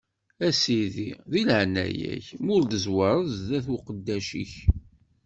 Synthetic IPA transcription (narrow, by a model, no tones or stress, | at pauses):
æsiðiðilʕnæ̰jæ̰çmʊɾd̪əzwɑɾˤəððæθqəd̪ːæʃḭç